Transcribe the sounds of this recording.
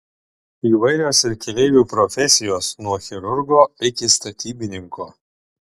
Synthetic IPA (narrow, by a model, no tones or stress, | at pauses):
iːʋɐɪɾʲoːsɪɾkʲlʲɛɪʋʲuːpɾɔfʲɛsʲɪjoːsnuɔxʲɛɾʊɾɡoːɪkʲɪst̪ɐt̪ʲiːbʲɪnʲɪŋkoː